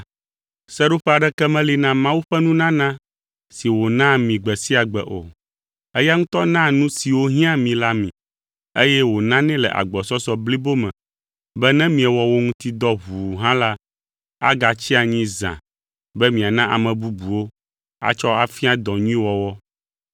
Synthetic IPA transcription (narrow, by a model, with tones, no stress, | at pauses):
sɛ˦ɖo˦ɸɛ˦a˨ɖɛ˦kɛ˦mɛ̃˦li˦nã˦mã˦wu˦ɸɛ˦nũ˦nã˦nã˦ | si˨wo˨nã˦mĩ˨ɡ͡bɛ˨si˦a˨ɡ͡bɛ˨ʔo̰˨ | ɛ˦ja˦ŋũ˦t̪ɔ˦nã˦nũ˦si˨wo˦ɦĩ˦ã˦mĩ˨la˦mḭ̃˨ | e˦jɛ˦wo˨nã˦nɛ̃˦lɛ̰˨ʔa̰˨ɡ͡bɔ˨sɔ˦sɔ˨bli˦bo˦mɛ̰̃˨ | bɛ˦nɛ̃˦mĩ˨ɛ˨wɔ˨wo˦ŋũ˦t̪i˦d̪ɔ˦ɦu˨ɦã˦la˦ | a̰˦ɡa˨t͡ɕi˦a˨ɲĩ˦zã̰˨ | bɛ˦mĩ˨a˨nã˦ʔa̰˨mɛ̃˨bu˦bu˨wo˦ | a̰˦t͡ʃɔ˦a˨fi˦a˦d̪ɔ̃˨ɲũ˦ĩ˦wɔ˨wɔ˦